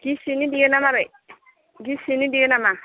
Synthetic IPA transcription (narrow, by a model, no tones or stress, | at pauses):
ɡisinidiɡenamabe | ɡisinidiɡenama